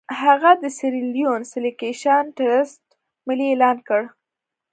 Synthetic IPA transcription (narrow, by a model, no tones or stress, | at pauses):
haɣad̪əsɪɾiljonsɪlikeʃɑnʈaɾɪsʈ̚ | mɪlielɑnkəɽ